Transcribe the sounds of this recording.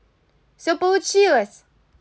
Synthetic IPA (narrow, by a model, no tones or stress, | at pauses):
sʲopolˠut͡ʃilˠɐsʲ